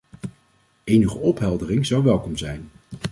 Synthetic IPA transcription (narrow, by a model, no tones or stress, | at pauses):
ejnəχəɔpɦɛlˠdərɪŋzɑwʋɛlˠkɔmzɛjn